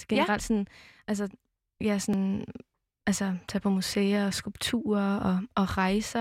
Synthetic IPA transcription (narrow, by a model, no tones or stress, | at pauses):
ɡ̥e̝nʁɑ̈l̰d̥sɒ̽nʔæls̬ə | jæsɒ̽n | ʔælsɐt͡sʰɛpʰɒ̽museːɐɒsɡ̥ulb̥̚t͡sʰṵːɐɒ̽ʔɒ̽ʁɑ̈ɪsɐ